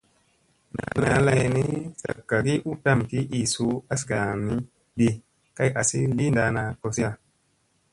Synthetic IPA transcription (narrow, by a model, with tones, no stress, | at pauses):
na̰˨˦˨na˨˦la˧jni˦sa̰˨kːa˨ki˦ʔu˦ta˦˨mki˦ʔi˨su˦a˦sɡa˨mi˦ | di˧ | ka˦jʔa˨si˦li˦nda˨˧na˨ko˧si˦a˧